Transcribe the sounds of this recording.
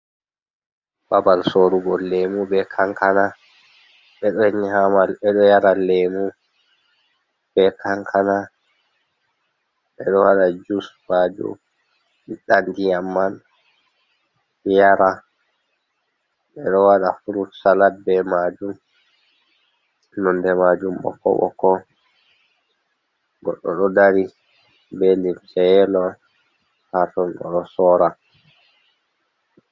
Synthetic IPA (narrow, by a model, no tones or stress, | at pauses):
babalsoɾuɡɔlːemubɛkʰaŋkʰana | ɓɛɗɔɲihamalɛɗɔjaɾalemu | b̥ɛkʰaŋkʰana | ɓɛɗɔwaɗad͡ʒusmad͡ʒṵm | iɗandijamːan | jaɾa | ɓɛɗɔwaɗafuɾutsalat̚bɛmad͡ʒum | nɔndɛmad͡ʒumɓɔ̰kɔ̰ɓɔ̰kɔ | ɡɔɗːɔɗɔdaɾi | bendinsɛjɛlɔ | hatɔnɗɔ̰ɗɔsɔɾa